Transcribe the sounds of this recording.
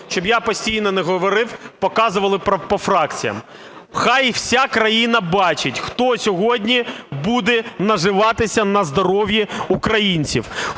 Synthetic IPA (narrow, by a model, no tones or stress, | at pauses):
ʃt͡ʃɔbjapɔsʲtʲijnɔnɛɦɔʋɔɾɪwpɔkɑzʊʋɐlˠɪpɐpɔfɾɑkt͡sʲijɐ̰m | xɑjw̥sʲakɾɐjinɐbɑt͡ʃɪtʲxt̪ɔsʲɔɦɔdʲnʲibud̪ɛnɐʒɪʋɑt̪ɪsʲɐnɐzd̪ɔɾɔʋjiukɾɐjinʲt͡sʲiw